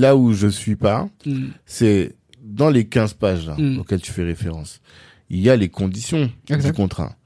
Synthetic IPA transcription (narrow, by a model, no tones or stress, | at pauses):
lauʒəsɥipa | sɛ | d̪ɑ̃lekʲɛ̃zpaʒla̰okʲɛlt̪y̥fɛʁefeʁɑ̃s | iljalekɔ̃d̪isjɔ̃ɛzd̪ykɔ̃t̪χa̰